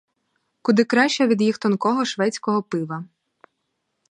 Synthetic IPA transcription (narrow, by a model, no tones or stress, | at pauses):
kʊd̪ɪkɾɑʃt͡ʃɛʋʲid̪jixt̪ɔnkɔɦɔʃʋɛt͡sʲkɔɦɔpɪʋɐ